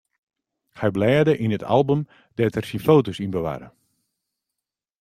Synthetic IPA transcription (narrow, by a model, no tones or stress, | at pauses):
hɛjblɛːdəʔinətʰa̰lˠbum | dɛtərsinfowtosinbəʋa̰ːɾə̰